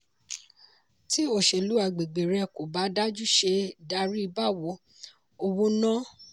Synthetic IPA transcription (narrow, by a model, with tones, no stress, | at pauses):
ti˦o˦˨ʃe˧˨lu˨˦a˧˨ɡ͡be˨ɡ͡be˨ɾɛ˧ko˨ba˨˦da˦d͡ʒu˦˨ʃe˧da˧˦ɾi˦i˧ba˦˨wo˨˦ | o˧wõ˦nã˦